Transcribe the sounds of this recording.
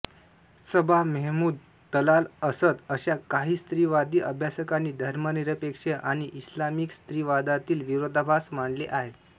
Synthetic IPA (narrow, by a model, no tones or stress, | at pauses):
səbʱamɛɦmuːd̪̚ | t̪əlaləsət̪əɕakaɦiːst̪ɾiːʋad̪iːʔəbʱjasəkaniːd̪ʱəɾməniɾəpekʂeʔaɽ̃iʔislamiːkst̪ɾiːʋad̪at̪iːlʋiɾod̪ʱabʱasmaɳɖleʔaɦet̪